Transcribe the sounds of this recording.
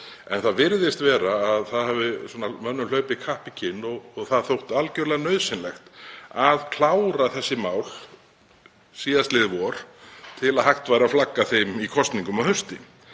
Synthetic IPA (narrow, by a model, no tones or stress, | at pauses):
ɛnθaðvɪɾðɪst̪vɛːɾaːðθaðhɛvɪsɔːnamœnːʏlœːɥpɪkʰahpɪcʰɪnːɔɣɔɣθaðθowht̪alcœɾlɛɣanœɥðsɪnlɛxt̪aðkʰl̥aːwɾaθɛsːɪmaːwl̥ | siːðast̪lɪːðvɔɾ̥t̪ʰɪlaðhajxt̪vaːjɾaflakːaθejmikʰɔst̪niŋkʏmaðhœst̪ɪ